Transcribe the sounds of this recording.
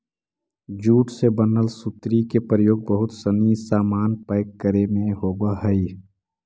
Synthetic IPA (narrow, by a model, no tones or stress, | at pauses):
d͡ʒuːʈsebənəlsʊt̪ɾikepɾəjoːɡ̚bəɦʊt̪sənisaːmaːnpəɪkːəɾemẽɦoːɡaɦəi